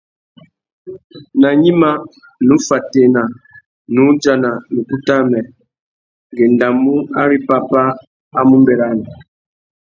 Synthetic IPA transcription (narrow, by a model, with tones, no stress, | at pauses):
na˨ɲi˦ma˦ | nu˦fa˨te˨na˨ | nu˨˦d͡ʒa˨na˨nu˨ku˦ta˦mɛ˨ | ɡɛ˨nda˨mu˦a˦ɾi˦pa˦pa˦ | a˦mu˦mbɛ˨ɾa˦na˨